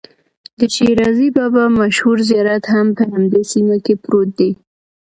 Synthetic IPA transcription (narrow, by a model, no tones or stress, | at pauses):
d̪əʃeɾɑzibɑbɑmaʃhuɾzijɑɾat̪hampəhamd̪esimakepɾot̪̚d̪e